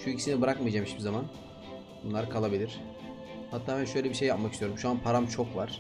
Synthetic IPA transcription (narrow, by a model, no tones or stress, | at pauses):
ʃuicʰisinibɯɾakmijd͡ʒamiʃpizaman | bunlˠaɾkʰalˠabilʲiɾ̥ | hat̪ʰːaːbænʃø̞jlʲɛbiʃ̬ejːapmakcist̪ʰjoɾumʃuanpʰaɾamt͡ʃʰo̞kvaɾ̥